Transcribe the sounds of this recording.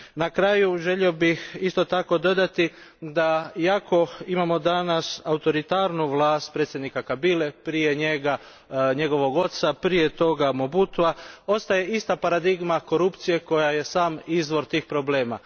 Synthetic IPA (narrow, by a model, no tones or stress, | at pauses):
nakɾaːjuʒe̞ʎio̞bixist̪o̞t̪ako̞d̪o̞d̪at̪i | d̪ajakʰo̞imamo̞d̪anasaut̪o̞ɾit̪aːɾnuʋlˠaːst̪̚pɾe̞t̪sʲjed̪nikakabile̞pɾije̞ɲe̞ɡa | ɲe̞ɡo̞ʋo̞ɡo̞t̪sapɾije̞t̪o̞ɡamobut̪uao̞st̪aje̞ist̪apaɾad̪iɡmako̞ɾupt̪sije̞ko̞jaje̞saːmizʋo̞ɾt̪iːxpɾo̞ble̞ːma̰